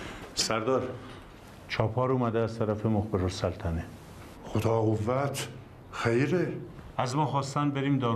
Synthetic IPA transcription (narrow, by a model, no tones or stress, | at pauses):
sæɾd̪ɒːɾ | t͡ʃʰɒːpʰɒːɾuːmæd̪eæzt̪ʰæɾæfemoxbeɾosælt̪ʰæne | xod̪ɒːɣovːæt̪ʰ | xejɾe | æzmɒːxɒːst̪ænd̪̚beɾiːmd̪ɒː